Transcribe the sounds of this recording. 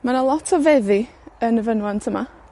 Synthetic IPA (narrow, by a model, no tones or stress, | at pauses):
manalˠɔtʰɔvɛðɪ | ənəvənwɔntʰəma